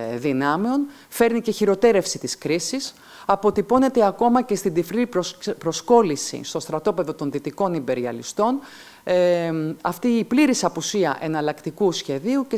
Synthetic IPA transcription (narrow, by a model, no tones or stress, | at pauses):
ðinɐmeo̞n | fe̞ɾnice̞çiɾo̞t̪e̞ɾe̞fsit̪iskɾisis | ɐpo̞t̪ipo̞ne̞t̪e̞ɐko̞mɐce̞st̪ind̪ifɾipɾo̞sko̞lisḭst̪ost̪ɾɐt̪o̞pe̞ðo̞t̪o̞nðit̪iko̞nimbe̞ɾiɐ̰lḭst̪o̞n | ɐft̪iːpliɾisɐpusiɐ̰ʔe̞nɐlɐkt̪ikusçe̞ðiuce